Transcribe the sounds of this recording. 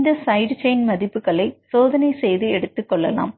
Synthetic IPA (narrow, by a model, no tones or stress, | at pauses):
ndesɐjɖt͡ɕejnmɐðipːuɣɐɭesoːðɐnɐsejðieɽut̪ːukːoɭːɐla̰ːm